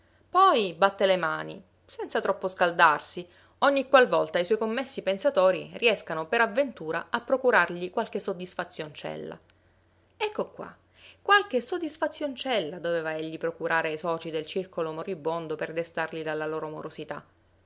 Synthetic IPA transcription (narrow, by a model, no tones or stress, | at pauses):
pɔjbat̪ːelemaːnḭ | sɛnt̪sat̪ɾɔpːoskald̪arsi | oɲːikwalvɔlt̪aiswɔjkomːesːipensat̪oːɾḭriɛskanopeɾavːent̪uːɾaapːɾokuɾarʎikwalk̟esod̪isfat̪sːjont͡ʃɛ̰lːa̰ | ɛkːokːwa̰ | kːwalk̟esod̪ːisfat̪sːjont͡ʃɛlːad̪oveːvaeʎːipɾokuɾaːɾeajsɔːt͡ʃid̪elt͡ʃirkolomoɾibːond̪operd̪est̪arʎid̪alːaloːɾoamo̰ɾosit̪a̰